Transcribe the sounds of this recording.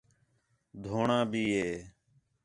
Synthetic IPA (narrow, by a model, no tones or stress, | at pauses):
d̪ʱoːɳãːbʱiːɦeː